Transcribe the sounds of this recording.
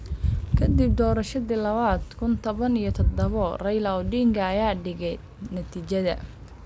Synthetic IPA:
kʰɐd̪ib̚d̪ɔːɾɐʃɐðilɐβaːd̪kʰʊnt̪ʰɔβɐnijɔt̪ʰɔd̪ɐβɔrɐjlɐwɖiːŋkʰɐːjaːɖɪɣɛj | nɐt̪ʰiːt͡ʃɐðɐ̰

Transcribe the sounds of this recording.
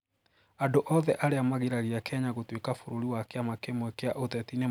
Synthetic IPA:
andoʔɔðɛʔaɾeamaɣeɾaɣeakɛɲaɣotwekafoɾoɾiwakeamakemwɛkeaʔotɛtine

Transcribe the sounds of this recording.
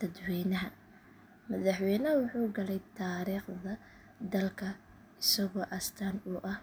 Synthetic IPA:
t̪ʰɐd̪wɛjnɐɦɐ | mɐðɐħwɛjnɐwʊħuːɡɐlɛjt̪ʰaːɾiːχðɐ | d̪ɐlkʰɐ | ɪsɐɣɔːʔɐst̪ʰaːnʊʔɐh

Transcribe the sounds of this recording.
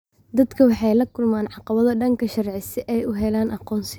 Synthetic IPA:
d̪ɐd̪kʰɐwɑħɑjlɐkʰʊlmaːnʕɑqɑβɐðɐɖɐŋkʰɐʃɐrʕɪsɛʔɛjʊɦɛlaːnʔɑqɔːns

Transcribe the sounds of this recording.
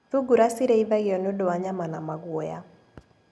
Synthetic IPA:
ðuɡuɾasiɾɛiðaɣijɔnodɔaɲamanamaɣwɔja

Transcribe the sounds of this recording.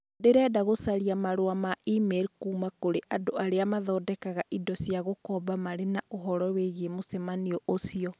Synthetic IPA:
deɾɛdaɣosaɾiamaɾoamaʔimɛɾkuːmakoɾeʔadoaɾeamaðɔːdɛkaɣaʔidɔsiaɣokɔbamaɾenaoɦɔɾɔweɣemosɛmaniɔʔosiɔ

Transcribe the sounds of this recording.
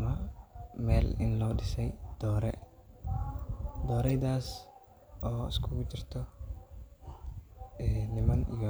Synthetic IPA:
mɐmɛːlɪ̰nlɔːɖɪsɛjd̪̥ɔːɾɛ̰ | d̪ɔːɾɛjðaːs | ʔɔːɪ̰skʰʊɣʊt͡ʃɪrt̪ʰɔ | ɛːnɪmɐnḭjɔ

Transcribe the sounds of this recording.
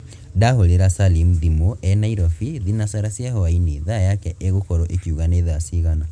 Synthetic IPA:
daholeɾasalimðimoʔɛnaiɾɔfiðinasaɾasjahɔwaineðajakɛʔeɣokɔɾɔʔekuɣaneðasiɣana

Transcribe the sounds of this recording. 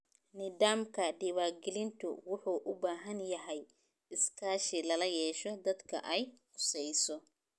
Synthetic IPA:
nɪd̪aːmkʰɐɖɪβaːɡɪlɪnt̪ʰʊ̰wʊħuːʔʊbaːɦɐnjɐɦɛj | ɪskʰaːʃɪlɐlɐjɛːʃɔd̪ɐd̪kʰɐ̰ʔɛjħʊsɛjsɔ

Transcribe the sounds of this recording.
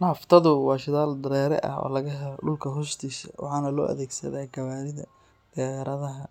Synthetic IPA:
naːft̪ʰɐðʊwɑːʃɪðaːld̪ɐɾɛːɾɛ̰ʔɐ̰ɦɔ̰ːlɐɣɐɦɛlɔɖʊlkʰɐɦʊʃt̪ʰiːsɐwʔɑ̰ħɑːnɐlɔ̰ːʔɐ̰ðɛːɡsɐ̰ðɛɡɐβaːɾɪðɐ̰ | d̪̥ɛːjɐɾɐðɐɦɐ

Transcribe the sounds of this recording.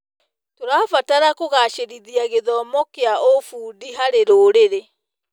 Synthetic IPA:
toɾaːfataɾakoɣaʃeɾiðiaɣeðɔmɔkeaofuːdiɦaɾeɾoːɾeɾe

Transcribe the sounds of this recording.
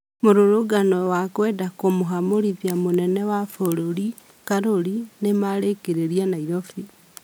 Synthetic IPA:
moɾoɾoɡanɔwakwɛːdakomoɦamoɾiðjamonɛnɛwafoɾoɾi | kaɾoɾinemaɾekeɾeɾianaiɾɔfi

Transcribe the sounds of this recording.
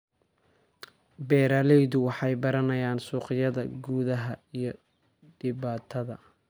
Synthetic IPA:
bɛːɾaːlɛjðʊwɑħɑjbɐɾɐnɐjaːnsuːqɪjɐðɐɡuːðɐɦɐijɞ | ɖɪβaːt̪ʰɐðɐ

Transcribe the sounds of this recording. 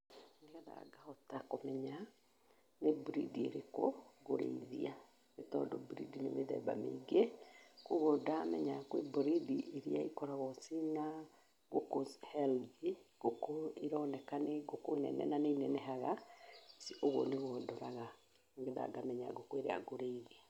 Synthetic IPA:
ŋeɣaða̰ɡahɔtakomɛɲa | nebɾidieɾekoɣoɾḛiðḭa | netɔːndɔbɾidinemeðɛ̰ba̰mḛɡekoɣodamɛɲakwḛbɾidiʔeɾiaikɔɾaɣɔsina | ɡokoshɛldiɡ̥okoiɾɔnɛkaneɡokonɛ̰nɛ̰naneinɛnɛɦaɣasiʔoɣɔ̰neɣɔdɔɾaɣa | ŋɡeða̰ɡamɛɲa̰ɡokoeɾḛa̰ɡoɾeiðea

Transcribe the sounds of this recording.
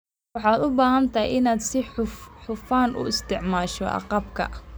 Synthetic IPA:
wɑħɑːd̪ʊbaːhɐnt̪ʰɐj̰ʔɪnaːd̪sɪħʊħʊfaːnʊ̰ɪst̪ʰɪʕmaːʃɔ̰ʔɑ̰qɑb̚kʰɐ̰

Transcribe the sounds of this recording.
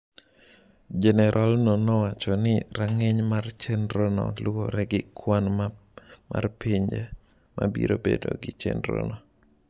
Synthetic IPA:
d͡ʒɛnɛɾʔɔlnonɔwat͡ʃɔnɪɾaŋɛɲmart͡ʃɛnɾonɔ̰lwoɾɛɡɪkʰwan | mʔa̰rpiɲd͡ʒɛ | mʔabḭɾobḛdo̰ɡɪt͡ʃɛ̰nɾo̰nɔ

